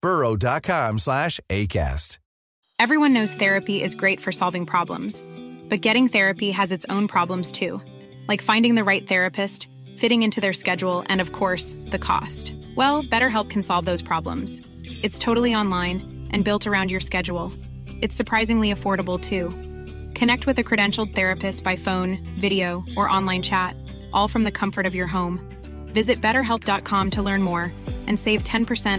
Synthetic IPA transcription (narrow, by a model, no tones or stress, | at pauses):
b̥ɜ˞oʊdɑt̚kʰɑ̃mslæʃeɪkʰæ̰st | ɛvɹiwʌ̃nːoʊz̥θɛɹɨpiʔɪzɡɹeɪtfə˞sɑlˠvɪ̃ŋpʰɹ̥ɑblə̰̃mz̥b̥ʌt̚ɡ̥ɛɾɪ̃ŋθɛɹɨpiɨzɨtsõʊ̃npʰɹ̥ɑblə̃mz̥tʰʉ | laɪkfãɪ̃ndɪ̃ŋðɨɹaɪt̪̚θɛɹɨpʰɨst | fɪɾɪ̃ŋɪ̃ntʰʉðə˞skɛd͡ʒul̩ˠʔɨ̰̃nʌv̥kʰɔɹsðɨkʰɔ̰st | wɛlˠb̥ɛɾə˞ɦɛlˠp̚kʰn̩sɑlˠvðoʊz̥pʰɹ̥ɑblə̰̃mz̥ | ɨtstʰoʊɾl̩ˠiɑ̃nlãɪ̃n | ʔɨ̃nbɪlˠtʰə˞ãʊ̃ndjə˞skɛd͡ʒul̩ˠ | ɨtsə˞pʰɹ̥aɪzɪ̃ŋliɨfɔɹɾəbl̩ˠtʰʉ | kʰɨnɛk̚t̚wɨðɨkʰɹ̥ɨɾɛ̃nʃl̩ˠd̪̚θɛɹɨpɨstb̥aɪfõʊ̃n | vɪɾioʊʔə˞ʔɑ̃nlãɪ̃nt͡ʃʰæɾ | ʔɔlˠfɹʌ̃mðɨkʰʌ̃ɱfə˞ɾʌvjə˞ɦõʊ̃m | vɪzɨt̚b̥ɛɾə˞ɦɛlˠp̚d̥ɑt̚kʰɑ̃mtʰəlɜ̃˞nmɔɹʔɨ̃nseɪv̥tʰɛ̃npʰə˞sɛ̃